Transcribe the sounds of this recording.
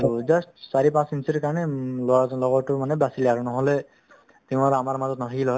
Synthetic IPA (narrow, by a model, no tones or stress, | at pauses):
aɹuzastsaɹipãsinsiɹkaɹɔnɛlɔalɔɡɔtʊmanɛbasilɛaɹunɔɦɔlɛ | tiʊ̃atamaɹmazɔtnat̪ʰakilɦɔj